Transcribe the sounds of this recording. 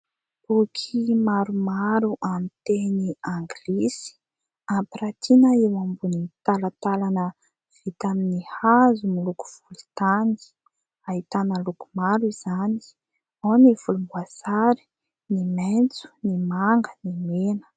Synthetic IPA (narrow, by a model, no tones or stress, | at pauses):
bukʰimaɾumaɾuʔamit̪eniaŋɡilisi̥ | amprat̪ʰinəewambunit̪alat̪alanə | v̥it̪aminihazumiluku̥v̥ulut̪ani̥ | aɦit̪anəluku̥maɾiz̥ani̥ | oniv̥ulumbuasaɾi̥ | niment͡su̥nimaŋɡənimenə̥